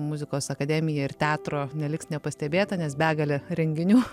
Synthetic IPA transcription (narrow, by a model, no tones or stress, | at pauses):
mʊzʲɪkoːsɐkɐd̪ʲɛːmʲɪjɛɪrt̪ʲæːt̪ɾoːnʲɛlʲɪksnʲɛpɐsʲt̪ʲɛbʲeːt̪ɐnʲɛsbʲæːɡɐlʲɪɾʲɛŋʲɡʲɪnʲuː